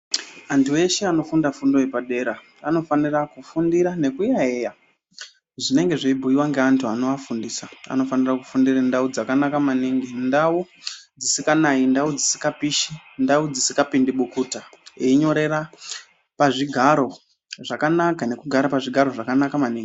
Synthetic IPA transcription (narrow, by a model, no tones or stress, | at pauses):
antuwe̞ʃeano̞fundafundo̞ipaɗe̞ɾa | ano̞fanirakufundiɾane̞kujaeja | ʐine̞ŋɡe̞ʐeibʱuiwaŋɡe̞antʰuanoʋafundiːsaa̰no̞faniraku̥fundirandaud͡zakanakamaniŋɡindau | d͡zisikanaindaud͡zisi̥kapiʃindaud͡zisikapindiɓukuːtaeiɲo̞ɾe̞ra | paʐiɡʱaɾo̞ | ʐakanakane̞kuɡʱaɾapaʐiɡʱaɾo̞ʐakanakamaniːŋɡi